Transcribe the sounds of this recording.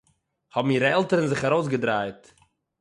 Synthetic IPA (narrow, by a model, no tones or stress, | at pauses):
hɔbm̩iːɾəɛlˠtəɾənzɪχaɾoʊs̬ɡədɾaɪt